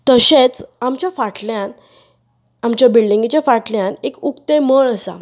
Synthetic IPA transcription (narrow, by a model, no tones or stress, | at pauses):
t̪əɕet͡samt͡ɕjafaʈʰljãn | amt͡ɕjabilɖĩŋɡit͡ɕjafaʈljãnekukt̪eməɳəsa̰